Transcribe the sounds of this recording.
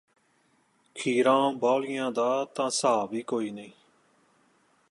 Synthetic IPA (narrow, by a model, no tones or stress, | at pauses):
kʰiːɾãːbaːlɪjãːd̪aːt̪ãːsaːʋiːkoːiːnəĩː